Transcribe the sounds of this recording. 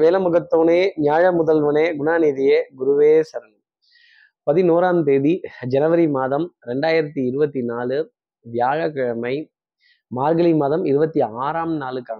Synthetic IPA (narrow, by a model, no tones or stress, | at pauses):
ʋeːlɐmɯɣɐt̪ːoːneːnɪjaːɻɐmʊðɐlʋɐneːɡʊnaːniːðɪjeːɡʊɾɯʋeːsɐɾɐn | pɐðinoːɾaːmt̪eːɽid͡ʒɛnɐʋɐɾimaːðɐmɾɛɳɖaːjɪɾɐt̪ːiɪɾɯbɐt̪ːinaːlɯ | ʋjaːɻɐkɐɻɐmɐɪ | maːɾɡɐlimaːðɐmɪɾɯbɐt̪ːiaːɾaːmnaːlɯkːaːɐ